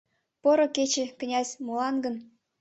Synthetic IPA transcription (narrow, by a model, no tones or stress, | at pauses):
pŏɾŏket͡ɕĕkə̆nʲɑzʲmulˠɑnɡə̆n